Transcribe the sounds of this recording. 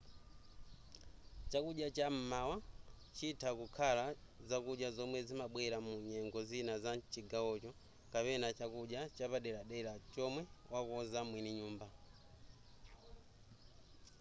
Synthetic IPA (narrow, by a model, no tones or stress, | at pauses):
t͡ʃakuɗjat͡ʃam̩mawa | t͡ʃitʰakukʰalazakuɗjazɔmwɛzimaɓwɛɾamuɲɛŋɡɔzinazat͡ʃiɡawɔt͡ʃɔ | kapɛnat͡ʃakuɗjat͡ʃapaɗɛɾaɗɛɾat͡ʃɔmwɛwakɔzamwiniɲuːmba